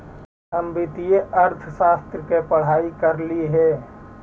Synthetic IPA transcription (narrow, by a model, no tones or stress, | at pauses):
əmbɪt̪ijeʔəɾt̪ʰsaːst̪ɾəkepəɽ̤aːikəɾliɦɛː